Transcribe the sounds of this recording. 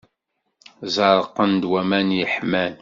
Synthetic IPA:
zɑɾˤəqːənd̪wæmænjəħmæn

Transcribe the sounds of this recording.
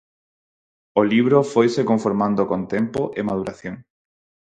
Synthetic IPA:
oliβ̞ɾofojsekoɱfoɾmãnd̪okõnt̪empoʔemað̞uɾʔaθjoŋ

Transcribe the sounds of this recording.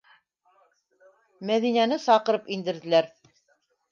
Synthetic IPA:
mæðinænɘsɑqɤ̆ɾɤpind̪ɘ̆ɾðɘ̆læɾ

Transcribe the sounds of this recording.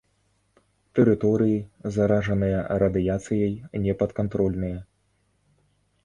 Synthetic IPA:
t̪ɛɾɨt̪ɔɾɨjizɐɾaʐɐnɨjɐɾɐd̪ɨjat̪sɨjɐjnʲɛpɐt̪kant̪ɾɔlʲnɨjɐ

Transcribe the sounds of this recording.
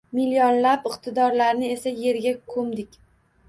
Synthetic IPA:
miljonlapɪqt̪ʰɪd̪ɒɾlaɾnɪe̞saje̞ɾɡʲakʰɵmd̪ɪkʲ

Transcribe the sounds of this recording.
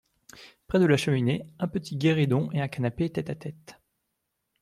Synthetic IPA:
pχɛd̪əlaʃəmineɛ̃pət̪ʰiɡʲeʁid̪ɔ̃ʔeɛ̃kanapeːt̪ɛt̪at̪ɛt̪

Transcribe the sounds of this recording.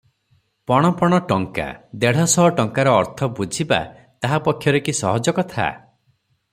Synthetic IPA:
pɔɽ̃ɔpɔɽ̃ɔʈɔŋka̰d̪eɽ̤ɔsɔɦɔʈɔŋkaɾɔːɾt̪ʰɔbud͡ʒʱiba̰ | t̪aɦapɔkʰjɔɾekisɔ̰ɦɔd͡ʒɔkɔt̪ʰa̰

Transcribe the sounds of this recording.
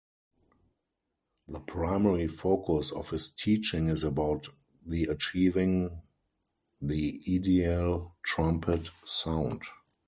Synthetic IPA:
ðəpʰɹaɪmɛɹifoʊkʰʊsɔ̰fhɪstʰiːt͡ʃɪ̃ŋɪzəbaʊt | ðiət͡ʃiːvɪ̃ŋ | ðiidiəltʰɹãmpʰətsãʊ̃nd

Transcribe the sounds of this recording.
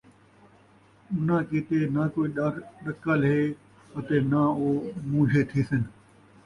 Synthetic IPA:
ʊnãːkiːt̪eːnaːkoːiːɗaːɾɗəkəlɦeː | ət̪eːnãːoːmũːd͡ʒʱeːt̪ʰiːsɪn

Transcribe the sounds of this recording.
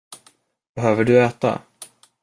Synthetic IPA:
b̥ɛɦøːvəɖɵɛːt̪a̰

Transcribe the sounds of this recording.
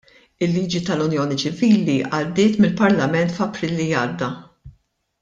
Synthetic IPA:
ɪlːiːd͡ʒit̪ɐlʊnjɔːnit͡ʃɪviːliʔɐd̪ːɪːt̪mɪlpɐɾlɐmɛnt̪fɐpɾiːlːiɐːd̪ːɐ

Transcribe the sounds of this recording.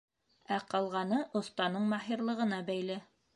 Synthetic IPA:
æqɑlˠʁɑnɤʔŏθt̪ɑnɤɴmɑɦiɾlˠɤ̆ʁɤ̆nɑbæjlɘ

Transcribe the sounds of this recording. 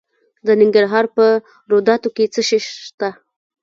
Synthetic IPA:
d̪ənɪŋɡaɾɦɑɾpə | ɾod̪ɑt̪oket͡səʃeʃt̪a

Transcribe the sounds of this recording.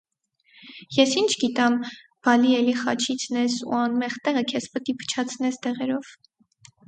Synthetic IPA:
jɛsint͡ʃʰɡit̪ɑm | b̥ɑliɛliχɑ̰t͡ʃʰit͡sʰnɛsṵɑnmɛχt̪ɛʁəkʰɛspət̪ipʰə̥t͡ʃʰɑt͡sʰnɛst̪ɛʁɛɾɔv̥

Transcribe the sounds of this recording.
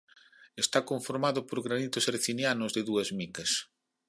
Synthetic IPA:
est̪akoɱfoɾmaðʊpoɾɣɾanit̪ʊseɾθinjanʊzðɪðuɐzmikɐs

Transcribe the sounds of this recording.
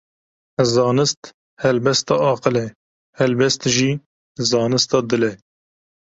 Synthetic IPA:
zɑːnɨst̪ | hɛlbɛst̪ɑːɑːqəlɛ | hɛlbɛst̪ʒiː | zɑːnɨst̪ɑːd̪ɨlɛ

